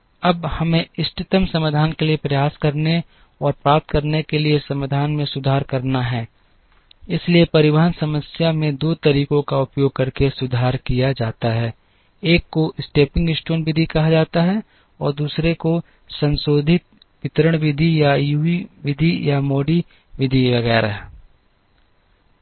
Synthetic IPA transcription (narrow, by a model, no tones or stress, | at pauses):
ɐbhɐmẽɪsʈɪt̪əmsɐməd̪ʱaːnkeliepɾɐjaːskɐɾne | ɔːɾpɾaːp̚t̪kɐɾnekeliesɐmaːd̪ʱaːnmẽsʊd̪ʱaːɾkɐɾnaɦɛː | ɪsliepɐɾɪʋəɦənsɐməsjamẽd̪oːt̪ɐɾiːkõkaʊpjoːɡ̚kɐɾkesʊd̪ʱaːɾkijad͡ʒaːt̪aɦɛː | eːkːoʔɪsʈeːpɪ̃ŋɡɪsʈəːnʋɪd̪ʱikɐɦad͡ʒaːt̪aɦɛ | ɔːɾd̪uːsɾeko | sɐ̃nsoːd̪ʱɪt̪̚ | ʋɪt̪ɾəɽ̃ʋɪd̪ʱijajuiʋɪd̪ʱijamoːɖi | ʋɪd̪ʱiʋɐɡɛːɾa̰ɦɛ